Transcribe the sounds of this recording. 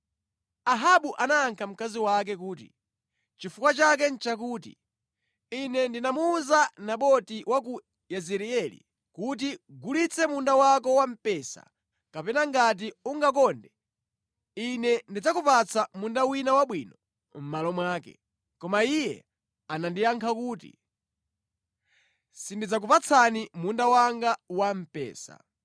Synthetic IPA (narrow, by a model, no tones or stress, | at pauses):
aɦaɓuʔanaːŋkʰam̩kaziwak̬ɛk̬uːtḭ | t͡ʃifukwat͡ʃak̬ɛn̩t͡ʃak̬uːtḭ | inɛndinamuːzanaɓɔtiwak̬u | jɛzɛɾiɛlḭ | kut̬iɡulit͡sʰɛmundawakɔwam̩pɛsa̰ | kapɛnaŋɡat̬iuŋɡak̬ɔndɛ | inɛndid͡zakupat͡sʰamundawinawaɓwiːnɔ | m̩malɔmwaːkɛ̰ | kɔmaijɛ̰ | anandijaŋkʰakuːtḭ | sindid͡zak̬upat͡sʰanimundawaŋɡawam̩pɛ̰ːsa̰